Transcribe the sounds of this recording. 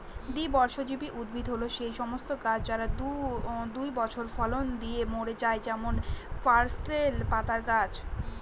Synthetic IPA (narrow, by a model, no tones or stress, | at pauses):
d̪ibɔɾʃod͡ʑibiʔud̪̚bʱid̪ɦoloʃejʃɔmost̪okad͡ʑd͡ʑaɾad̪ud̪ujbɔt͡ɕʰoɾfɔlond̪iemoɽed͡ʑaed͡ʑɛmonfaɾsʈelpat̪aɾkad͡ʑ